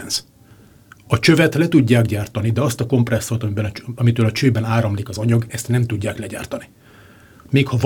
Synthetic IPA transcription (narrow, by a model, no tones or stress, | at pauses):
nz̥ | ɒt͡ʃø̞vɛt̪lɛt̪uɟːaːɡɟaːrt̪ɒnid̪ɛɒst̪ɒko̞mprɛsːot̪ɒbnɒmit̪øːlɒt͡ʃøːbɛnaːɾɒmlikɒzɒɲɒɡɛst̪nɛmt̪uɟːaːklɛɟa̰ːrt̪ɒni | meːkhɒv